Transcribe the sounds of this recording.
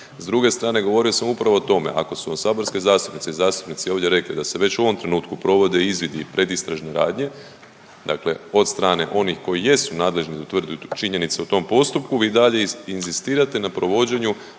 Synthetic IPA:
zd̪ɾuɡe̞st̪ɾaːne̞ɡo̞ʋo̞ɾio̞samupɾaʋo̞ːt̪o̞me̞̰ʔa̰ko̞suosaːbo̞ɾske̞zaːst̪upnitseizaːst̪u̥pnit̪sioʋdje̞ɾe̞klid̪ase̞ʋe̞t͡ɕuoʋo̞mt̪ɾenuːt̪kupɾo̞ʋo̞d̪eiizʋid̪ipɾe̞d̪ist̪ɾaʒneɾaːd̪ɲe̞ | d̪a̰kle̞o̞t̪st̪ɾaːne̞ʔo̞nixko̞jije̞sunaːd̪le̞ʒnid̪ut̪ʋr̩d̪ut͡ʃiɲe̞nit̪se̞ut̪o̞mpo̞st̪upkuʋiːd̪aʎe̞inzist̪iːɾat̪enapɾo̞ʋo̞d͡ʑe̞ɲu

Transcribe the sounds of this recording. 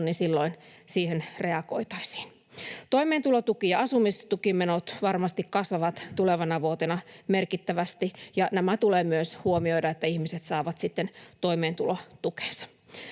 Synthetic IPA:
nːinsilːoinsiːhenreɑko̰it̪ɑisi̥ːn | t̪oimeːnt̪ulot̪ukijɑɑsumist̪ukimenot̪ʋɑrmɑst̪ikkɑsʋɑʋɑt̪t̪uleʋɑnɑʋuot̪enɑmerkit̪ːæʋæst̪ijɑnæmæt̪uleːmyøshuomioijdɑet̪ːæihmiset̪sɑːʋɑt̪sit̪ːent̪oimeːnt̪ulot̪uke̥nsɑ̥

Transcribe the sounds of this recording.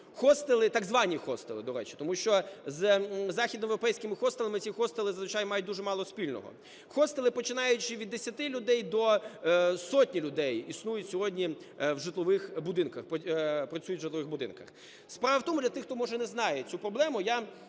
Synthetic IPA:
xɔst̪elˠɪt̪ɑɡzʋɑnʲixɔst̪elˠɪ̰d̪ɔɾɛt͡ʃɪ̥t̪ɔmuʃt͡ʃɔzzɑxʲid̪nɔmeʋɾɔpɛjsʲkɪmɪxɔst̪elˠɐmɪt͡sʲixɔst̪elˠɪzɐzʋɪt͡ʃajmɑjʊt̚ʲd̪uʒʐɛmɑlˠɔsʲpʲilʲnɔ̰ɦɔ̰ | xɔst̪elˠɪpɔt͡ʃɪnɑjʊt͡ʃɪʋʲid̪ːesʲɐt̪ɪlʲʊd̪ɛjd̪ɔ | sɔtʲnʲilʲʊd̪ɛjisnujʊtʲsʲɔɦɔdʲnʲi | wʒɪt̪lˠɔʋɪxbʊd̪ɪnkɐxppɾɐt͡sʲujʊt̪ʲːʒɪt̪lˠɔʋɪxbʊd̪ɪ̰nkɐ̰x | spɾɑʋɐwt̪ɔmʊd̪ʲlʲɐt̪ɪxt̪ɔmɔʒɛnɛznɑjɛt͡sʲupɾɔblˠɛmʊja

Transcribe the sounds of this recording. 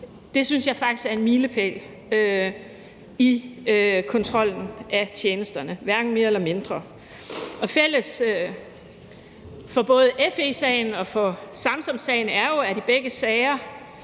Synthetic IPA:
d̥e̝synsjɑ̈ɪfɑ̈ɡ̥̚i̥sɡ̥æɐe̝nmiːləpʰḛl | ø | i | kʰɒ̽nt͡sʰʁɒ̽l̰n̩ʔæt͡ɕʰjeːnəsd̥ɐnəʋæɐɡ̥n̩me̝ːɐelɐme̝nd̥ʁɐ | ɒ̽fel̰əsø | fɒ̽b̥ɔ̽ːð̞̩ˠəefesɛɪnɒ̽fɒ̽sɑ̈msɒ̽msɛɪnæɐjo̝æɾ̥ib̥eɡ̥əsɛɪɐ

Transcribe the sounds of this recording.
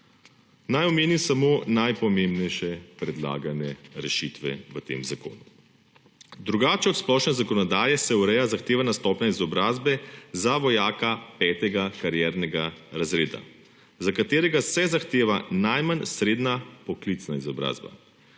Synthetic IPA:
najɔmeːnimsamonajpɔmembnɛjʃɛpɾɛd̪la̰ːɡanɛɾɛʃit̪ʋɛ̰ʋət̪ḛːmzako̰ːnu | d̪ɾuɡaːt͡ʃɛɔt̪splɔʃnɛzakɔnɔd̪aːjɛsɛuɾɛjazaxt̪eːʋanast̪ɔpnaizɔbɾaːzbɛzaʋɔjaːkapɛt̪ɛɡakaɾjɛɾnɛɡaɾazɾeːd̪a̰ | zakat̪eːɾɛɡasɛzaxt̪eːʋanajmansɾeːd̪napɔklit̪snaizɔbɾa̰ːzba̰

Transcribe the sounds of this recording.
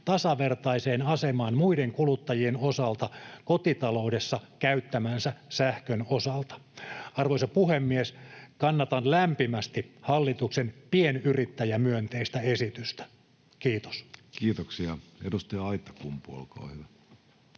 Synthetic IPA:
t̪ɑsɑʋert̪ɑiseːnɑsemɑːnmuideŋkulut̪ːɑjienosɑlt̪ɑkot̪it̪ɑloudesːɑkæyt̪ːæmænsæsæhkønosɑlt̪ɑ̥ɑrʋoisɑpuhemːieskɑnːɑt̪ɑnlæmpimæst̪ihɑlːit̪uksenpienyrit̪ːæjæmyønt̪eist̪æesit̪yst̪æ̥ | kiːt̪o̥skiːt̪oksiɑedust̪iɑit̪ːɑ̥kumpuo̰lkɑ̰hyʋæ

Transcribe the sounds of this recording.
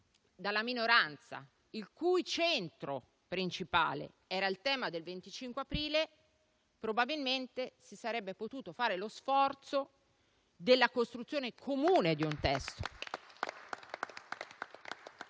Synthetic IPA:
d̪alːaminoɾant̪sa̰ | ilkujt͡ʃɛnt̪ɾo | pɾint͡ʃipa̰ːlḛ | ɛːɾailt̪ɛːmad̪elvent̪it͡ʃiŋkweapɾiːle | pɾobabilment̪esisaɾɛbːepot̪uːt̪ofaːɾelosfɔrt̪so | d̪elːakost̪ɾut̪sːjoːnekʰomuːned̪iunt̪ɛst̪o̥̰

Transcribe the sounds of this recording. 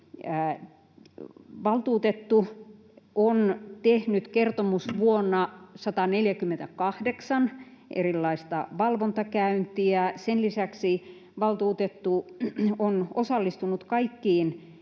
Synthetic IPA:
æ | ʋɑlt̪uːt̪et̪ːu | ont̪ehnyt̪kert̪omusʋuonːɑsɑt̪ɑneljækymːent̪ækɑhdeksɑn | ʔḛrilːɑist̪ɑʋɑlʋont̪ɑkæynt̪iæsenlisæksi | ʋɑlt̪uːt̪et̪ːuonosɑlːist̪unut̪kɑikːiːn

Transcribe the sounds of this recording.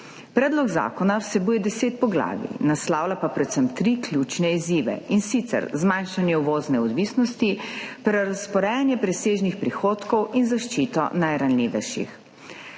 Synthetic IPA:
pɾɛːd̪lɔɡza̰ːkɔnawsɛbuːjɛd̪ɛseːt̪̚pɔɡla̰ːʋḭnaslaːwlapapɾɛt̪sɛmt̪ɾiːklʲjut͡ʃnɛiziːʋɛ̰insit̪sɛ̰ɾzmajnʃanjɛuʋoːznɛɔd̪ʋiːsnɔst̪ipɾɛɾaspɔɾɛːjanjɛpɾɛseːʒnixpɾixoːt̪kɔwinzaʃt͡ʃiːt̪ɔ̰najɾanliːʋɛjʃḭx

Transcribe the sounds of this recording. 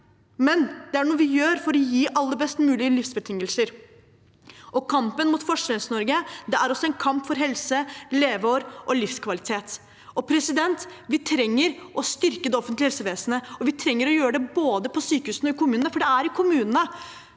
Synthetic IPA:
mɛnd̪̥ɛæɳuːəʋɪjøːɾfɔɾɔjiːʔɑlːəɾbɛst̪mʉːlɪəlɪfsbət̪ʰɪŋːəlsəɾ | ʔɔkʰɑmpənmuːt̪fɔʂɾɛnsnɔɾɡəd̪ɛæɾɔsːɔɛɪnkʰɑmpfɔɾɦɛlsəleːʋoːɾʔɔlɪfskʰʋɑlɪt̪ʰeːt̪ | ɔpʰɾɛsɪd̪ɛnt̪ʋɪt̪ʰɾɛŋːəɾʔɔst̪ʏɾkəd̪ɛɔfənt̪lɪhɛlsəʋeːsənəɔʋɪt̪ʰɾɛŋːəɾɔjøːɾəɖɛboːd̪əpʰɔsyːkəhʉːsn̩ɔɪkʰʊmʉːnnəfɔɖɛæɾɪkʰʊmʉːnənə

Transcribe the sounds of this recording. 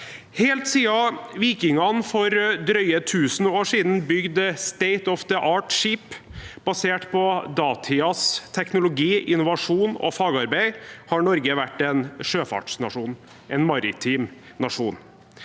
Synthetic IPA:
heːlt̪siːɑʋiːkɪŋɑnfɔɾd̪ɾœʏət̪ʰʉːsn̩oːʂiːd̪n̩bʏɡd̪st̪eɪt̪ɔfd̪əʔɑːʈʂiːpb̥ɑseːʈpʰɔd̪ɑːt̪ʰɪɑst̪ʰɛknʊlʊɡiːʔɪnʊʋɑʂuːnɔ̰fɑːɡɑɾbæɪhɑɳɔɾɡəʋæʈːɛnʂøːfɑ̰ʈʂnɑʂuːn | ʔɛnmɑɾɪ̰t̪ʰiːm | nɑʂṵːn

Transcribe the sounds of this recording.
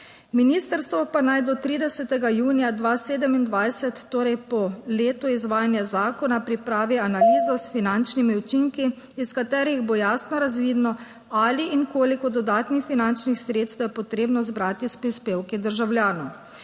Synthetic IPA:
miniːst̪əɾst̪ʋɔpanajd̪ɔt̪ɾiːd̪ɛsɛt̪ɛɡajuːnijad̪ʋaːseːd̪ɛmind̪ʋajsɛt̪ːoːɾɛjpɔleːt̪uizʋaːjanjazaːkɔnapɾipɾaːʋianaliːzɔsfinant͡ʃnimiut͡ʃiŋkiː | skat̪ɛːɾiɣboːjaːsnɔɾazʋiːd̪nɔ | aliːŋkoːlikɔd̪ɔd̪aːt̪nixfinant͡ʃnixsɾeːt̪st̪wjɛpɔt̪ɾeːbnɔzbɾaːt̪ispɾispeːwkid̪əɾʒawljaːnɔ

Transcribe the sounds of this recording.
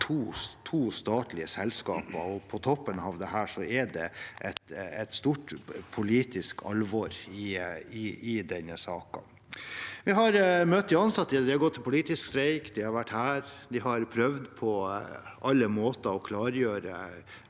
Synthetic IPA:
t̪ʰuːt̪ʰuːst̪ɑːt̪lɪəsɛlːskɑ̰ːpəɔpʰɔt̪ʰɔpːənɑʋd̪ɛɦæːʂɔɛɖɛ̰ʔɛt̪ɛt̪st̪uːʈpʰʊliːt̪ɪskʰɑ̰lʋɔɾɪɪɪd̪ɛnːəsɑːkɑ̰ | ʋɪɦɑɾmœt̪ːɪɑnsɑt̪ːɪd̪ɪhɑɾɡɔt̪ʰːɪlpʰʊliːt̪ɪskst̪ɾɛɪkd̪ɪhɑɾʋæʈːhæːɾd̪ɪhɑɾpʰɾœʋd̪pʰɔʔɑlːəmoːt̪ɑɔkʰlɑːɾjøːɾə̰

